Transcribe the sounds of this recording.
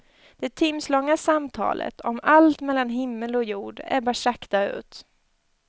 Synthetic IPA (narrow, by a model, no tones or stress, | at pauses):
d̪̥ɛt̪ʰɪmslɔŋːasamt̪ʰɑ̰ːlʔə̰t̪ʰɔmalt̪mɛlːanɦɪmːəlɔjuːɖæ̰ɾbɑːʂakt̪aʉ̟̰ːt̪